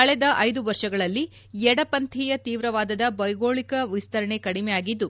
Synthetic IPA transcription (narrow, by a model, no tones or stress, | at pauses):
ɐɭɛd̪ɐʔɐjd̪uʋɐɾʂɐɡɐɭɐlːi | ɛɽɐpɐnt̪ʰiːjɐt̪iːʋɾɐʋaːd̪ɐd̪ɐbɐjɡoːɭikɐʋist̪ɐɾɐɳekɐɽimɛjaːɡid̪ːu